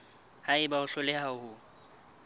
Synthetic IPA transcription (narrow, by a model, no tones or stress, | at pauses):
haɪbaʊɬʊlɪhaʊhʊ